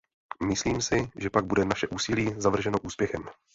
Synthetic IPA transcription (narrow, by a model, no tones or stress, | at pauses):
mɪsliːmsɪʒɛpaɡ̚budɛnaʃɛʔuːsɪliːzavr̩ʒɛno̞ʔuːspjɛxɛm